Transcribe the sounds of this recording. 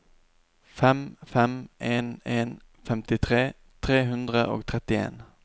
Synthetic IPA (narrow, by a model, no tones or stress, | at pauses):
fɛmfɛmʔeːneːn | fɛmt̪ɪt̪ʰʁeː | t̪ʰʁeːɦʉnd̪ʁəʔo̰ːɡt̪ʰʁɛt̪ɪḛːn